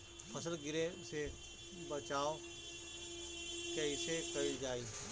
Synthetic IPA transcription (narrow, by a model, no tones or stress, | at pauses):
pʰəsəlɡɪɾese | bət͡ʃaːo | kəɪsekɐɾid͡ʒaːiː